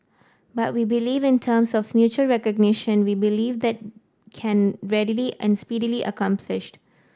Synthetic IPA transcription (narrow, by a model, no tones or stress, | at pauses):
bʌt̚wiːbɪliːvɪ̃ntʰəːmsɔfmjuːt͡ʃəlɹɛkəɡnɪʃə̃nwiːbɪliːʋd̪ɛt̚ | kʰɛ̃nɹɛɖiliʔɛ̃nspiːɖiliʔə̰kãmpʰlɪʃʈ